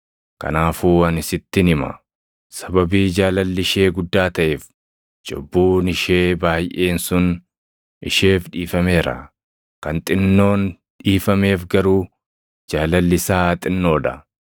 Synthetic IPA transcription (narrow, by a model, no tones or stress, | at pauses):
kɐ̰naːfuːɐnɪsɪt̪ːɪnɪmɐ̰ | sɐbɐbiːd͡ʒaːlɐlːɪʃe̞ːɡʊd̪ːaːt̪ɐʔeːf | d͡ʒɔ̰bːuːnɪʃe̞ːbaːjʔeːnsʊn | ɪ̰ʃe̞ːfᶑiːfɐme̞ːɾɐ̰ | kɐnt̪ʼɪnːo̞ːn | ᶑiːfɐme̞ːfɡɐɾuː | d͡ʒaːlɐlːɪsaːt̪ʼɪnːo̞ːᶑɐ